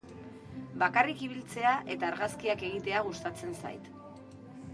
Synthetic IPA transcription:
bakarikiβ̞ilt͡se̞aʔe̞t̪aːɾɣaskiake̞ɣit̪e̞aɣ̞ust̪at͡se̞nsa̰jt̪

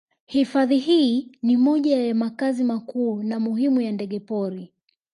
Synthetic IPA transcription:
hifaðiɦiːnimɔʄajamakazimakuːnamuhimujandɛɠɛpɔɾi

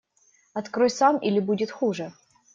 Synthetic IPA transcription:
ɐt̪kɾojsamilʲɪbudʲɪt̪xuʐɨ

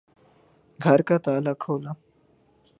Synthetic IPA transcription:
ɡʱəɾkat̪aːlakʰowla

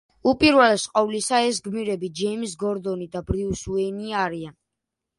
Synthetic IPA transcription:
upʼiɾwɛlɛsqʼɔvlisaɛs̬ɡmiɾɛbid͡ʒɛimsɡɔɾd̪ɔnid̪abɾiusuɛniaɾian

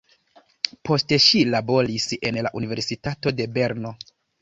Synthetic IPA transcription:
po̞ste̞ʃilabo̞ɾise̞nlaʔunive̞ɾsitato̞de̞be̞ɾno̞

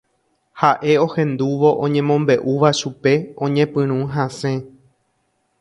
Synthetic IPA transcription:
haʔe̞o̞hẽ̞nd̪uʋo̞ʔõɲẽmõ̞mbe̞ʔuʋaʃupe̞õ̞ɲẽpɨ̃ɾ̃ũɦãsẽ̞

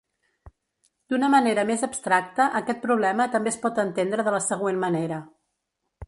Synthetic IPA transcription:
d̪̥unəməneɾəmezəbst̪ɾak̚t̪əʔəkɛt̪̚pɾuβlɛmət̪əmbespɔt̪ənt̪end̪ɾəðələsəɣwenməneɾə

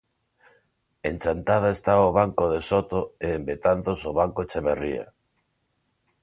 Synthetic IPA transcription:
ent͡ʃant̪að̞aest̪aoβaŋkoðesot̪oeːmbet̪anθosoβaŋkot͡ʃeβeria̰

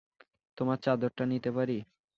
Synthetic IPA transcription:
t̪omaɾt͡ɕad̪oɾʈanit̪epaɾi

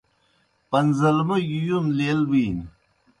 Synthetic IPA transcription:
pɐnzɐlmɐjujunleːlbiːn

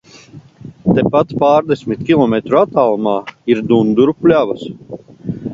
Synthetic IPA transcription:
t̪epat̪paːɾd̪esʲmit̪kʲilˠɔmet̪ɾuat̪aːlˠumaːiɾd̪und̪uɾupulʲaːvas

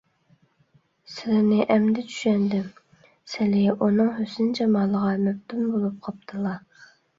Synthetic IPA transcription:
sɪlɪnɪʔɛmd̪ɛt͡ʃʰy̥ʃɛnd̪ɪm | sɪlɪʔunɨŋɦøsɪnɪd͡ʒɑmɑːlˠəʁɑmypt̪ʰymbolˠup̚qʰɑp̚t̪ʰɨlˠɑ

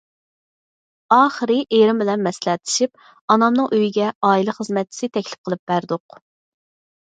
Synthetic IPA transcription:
ɑːχəɾɨʔeɾɪmbɪlɛnmɛslɛt̪ʰɪ̥ʃip̚ | ɑnɑmnɨŋʔøjiɡʲɛɑːilɨχəzmɛt̪̚t͡ʃʰsɪt̪ʰɛkʲlɪ̥p̚qʰəlˠɨp̚b̥æɾd̪ʊq

